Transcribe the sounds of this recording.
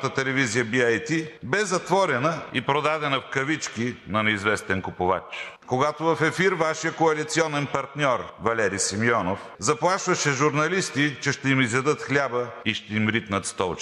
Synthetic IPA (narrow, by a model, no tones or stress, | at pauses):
t̪ət̪ɛlɛvizijəbiajt̪ibɛzɐt̪vɔɾɛnəipɾod̪ad̪ɛnɐfkɐvit͡ʃkinɐnɛizvɛst̪ɛnkʊpova̰t͡ʃkoɡat̪ovɐfɛfiɾvaʃijəkoɐlit̪siɔnɛnpɐɾt̪nʲɔɾvɐlɛɾisimiɔnof | zɐplˠaʃvɐʃɛʒuɾnɐlist̪it͡ʃɛʃt̪ɛimizjɐd̪ɤt̪xlʲabəiʃt̪ɛimɾit̪nət̪st̪ɔlˠt͡ʃ